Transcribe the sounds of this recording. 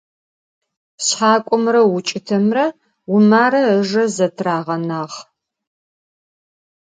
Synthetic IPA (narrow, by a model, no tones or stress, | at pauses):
ɕħaːkʷʼʊmrɐwʊt͡ʃʼɪtʰɐmrɐ | wʊmaːɾɐəʒɐzɐtʰraːʁɐnaːʁ